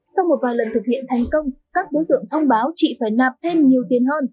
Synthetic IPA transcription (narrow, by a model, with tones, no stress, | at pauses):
sa˧wmo˨˩t̚vaː˨˩jlə˨˩nt̪ʰɨ˨˩k̚hḭ˧˨ənt̪ʰa˨˩jŋ̟kə˧wŋ͡mkaː˦˥k̚ɗo˨˦jt̪ɨ̰˧˨əŋt̪ʰə˧wŋ͡mɓaː˨˦wt͡ɕḭ˧˨faː˧˩jnaː˨˩p̚t̪ʰe˧mɲi˨˩əwt̪i˨˩ənɦəː˧n